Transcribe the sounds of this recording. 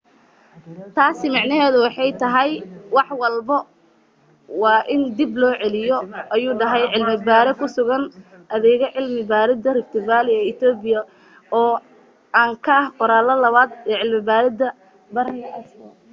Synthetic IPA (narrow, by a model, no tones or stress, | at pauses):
t̪ʰaːsɪmɑʕnɐɦɛːðʊwɑħɑjt̪ʰɐɦɛjwɑħwɑlbɐ | wɑːʔɪnd̪iblɔːʕɛlɪjɔʔɐjuːɖɐɦɛjʕɪlmɪbaːɾɛkʰʊsʊɣɐn | ʔɐðɛːɣɐʕɪlmɪbaːɾɪd̪ɐrɪft̪ʰɪbaːlɪɛɪt̪ʰɔːbɪjɐ | ɔː | aːŋkʰɐhqɔɾaːlɐlɐβaːd̪ɛːʕɪlmɪbaːɾɪd̪ɐ | bɐɾɐɐɐs